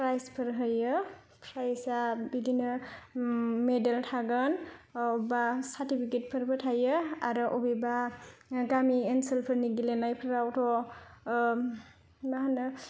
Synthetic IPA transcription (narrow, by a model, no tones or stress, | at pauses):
pɾajspʰɯɾɦɯjɯ | pʰɾajsabidinɯ | medeltʰaɡɯnubasaɾtipʰiket̚pʰɯɾpʰɯtʰajɯaɾɯʔɔbibaɡamienselpʰɯɾniɡilenajpʰɯɾawtʰɔ | maɦanɯ